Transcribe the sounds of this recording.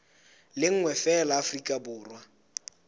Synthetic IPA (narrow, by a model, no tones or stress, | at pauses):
lɪŋ̩ŋwɛfɛlaːfrikʼabʊːrwa